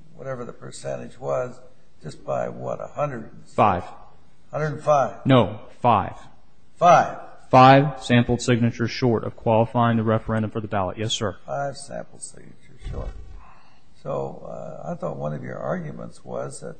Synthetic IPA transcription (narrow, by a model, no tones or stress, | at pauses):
wʌ̰ɾɛvə˞ðəpʰə˞sɛ̃ɾ̃ɨd͡ʒwʌz | d͡ʒʌsb̥aɪwʌɾə̰hʌ̃ndɹəd | faɪv̥ | hʌ̃ndɹə˞dn̩faɪv̥noʊ | faɪv̥ | faɪv̥ | faɪv̥sæ̃mpl̩ˠd̥sɪɡ̚nɨt͡ʃə˞z̥ʃɔɹɾʌ̰v̥kʰw̥ɑlˠəfaɪɪ̃ŋðɨɹɛfə˞ɛ̃ndɨ̃ɱfə˞ðəbælˠə̰ʔ̚jɛsɜ˞faɪv̥sæ̰̃mpl̩ˠd̥sɪɡ̚nɨt͡ʃə˞z̥ʃɔ̰ɹt̚ | soʊa̰ɪθɔt̚wʌ̃nʌvjə̰˞ʔɑɹɡjmə̰̃ntswʌzðɨ̰t̚